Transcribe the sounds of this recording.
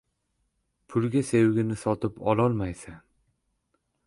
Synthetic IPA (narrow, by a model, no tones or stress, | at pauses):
pʰʊlɡʲase̞wɡʲɪnɪsɒt̪ʰɪpɒlˠɒlˠmajsan